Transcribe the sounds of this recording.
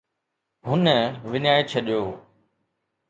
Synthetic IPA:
ɦʊnəʋɪnaːet͡ɕʰɐɗjoː

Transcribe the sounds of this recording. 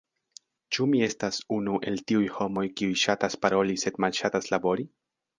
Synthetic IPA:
t͡ʃumie̞stasunuʔe̞ltiujho̞mo̞jkiujʃataspaɾo̞lise̞dmalʃataslabo̞ɾi

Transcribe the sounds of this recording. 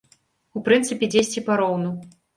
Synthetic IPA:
upɾɨnt̪sɨpʲɛd͡zʲesʲt͡sʲipaɾɔwnu

